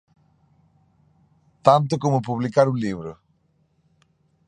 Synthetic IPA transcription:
t̪ãnt̪̬ʊkomʊpuβlikaɾũliβɾʊ̰

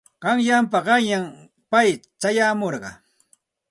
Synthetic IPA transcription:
ɢɑŋjampaɢɑŋjam | pajt͡ʃajaːmoɾɢɑ̰

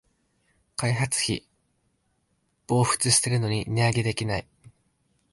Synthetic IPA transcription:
kaiɦat͡sɨ̥çʲḭ | b̥o̞ːɸɯ̟̥t͡sɨɕi̥t̪e̞ɾɯ̟no̞ɲ̟inʲiaɡe̞d̪e̞kʲinai

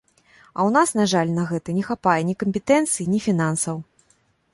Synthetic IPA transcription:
ɐ̰wnasnaʐalʲnɐɣɛt̪ɐnʲɛxapajɛnʲikɐmʲpʲɛt̪ɛnt̪sɨjinʲifʲin̪ansɐw

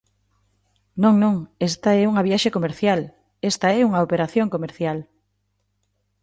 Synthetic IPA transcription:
nõŋnõŋest̪aɛuŋɐβ̞jaʃekomeɾθjal | est̪aɛuŋɐopeɾaθjoŋkomeɾθjal

